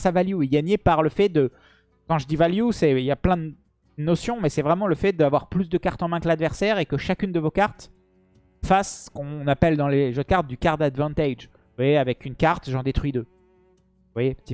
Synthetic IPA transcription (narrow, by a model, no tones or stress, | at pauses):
savaljueɡaɲepaʁləfɛd̪ə | kɑ̃ʒəd̪ivaljusɛiljaplɛ̃d̪ə | nɔsjɔ̃mɛsɛvʁɛmɑ̃ləfɛd̪avwaʁplysd̪əkaʁt̪ɑ̃mɛ̃kəlad̪vɛʁsɛʁekəʃakʲynd̪əvokaʁt̪ | fassə̥kɔ̃napɛld̪ɑ̃leʒød̪̚kaʁt̪̚d̪ykaʁt̪d̪ad̪vɑ̃t̪aʒ | vwajeavɛkʲynkaʁt̪ʒɑ̃d̪et̪χɥid̪ø | vwajept̪i